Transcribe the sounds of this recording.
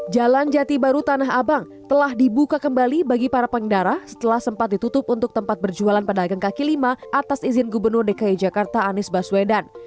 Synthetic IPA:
d͡ʒaland͡ʒat̪ibaɾut̪anaɦabaŋ | t̪əlahdibukakəmbalibaɡipaɾapəndaɾahsə̥t̪əlahsəmpat̪̚dit̪ut̪ʊp̚unt̪ʊk̚t̪əmpat̪̚bərd͡ʒualanpadaaɡaŋkakilimaʔat̪asizɪnɡubərnʊrdekaid͡ʒakart̪aːnɪsbaswedan

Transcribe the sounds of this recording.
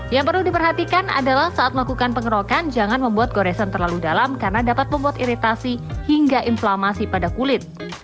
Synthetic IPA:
jaŋpərludipərɦat̪ikana̰dalahsaʔat̪̚məlakukanpəŋəɾokand͡ʒaŋanməmbuat̪̚ɡoɾɛsənt̪ərlaludalamkarənadapat̪̚məmbuat̪iɾit̪asihiŋɡaʔinflamasipadakulɪt̪̚

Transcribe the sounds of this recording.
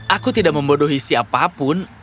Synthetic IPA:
ʔakut̪idaʔməmbodoɦisiapapʊn

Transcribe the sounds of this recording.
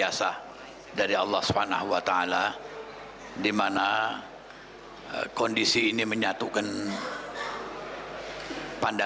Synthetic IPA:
asa | daɾiɑlːɑhsubhana̰huwat̪aala | dimana | kɔndisiːniməɲat̪ukan | panda

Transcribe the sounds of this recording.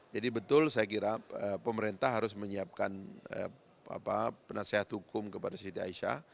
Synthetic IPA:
d͡ʒadibət̪ʊlsajak̬iɾaəpəməɾent̪aɦaɾʊsməɲiap̚kanə̰ | a̰papənaseɦat̪hukʊmkəpadasiit̪ia̰iʃa̰

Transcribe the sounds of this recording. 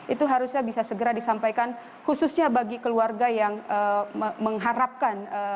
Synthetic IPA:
ʔit̪uɦaɾusɲabisasəɡəɾadisampajkan | hususɲabaɡikəluarɡajaŋəəməŋɦaɾap̚kanə

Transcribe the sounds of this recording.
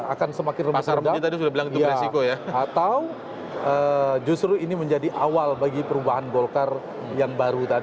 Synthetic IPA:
akansəmakɪnrəmpsaɾədait̪adisudabilaŋinʊjaresikojaat̪aw | əd͡ʒust̪ɾuiniməɲd͡ʒadiʔawalbaɡipəɾubaɦanɡolkar | jaŋbaɾut̪ad

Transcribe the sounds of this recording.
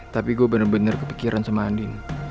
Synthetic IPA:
t̪apiɡuabənərbənərkəpi̥kiɾʔansəmandɪn

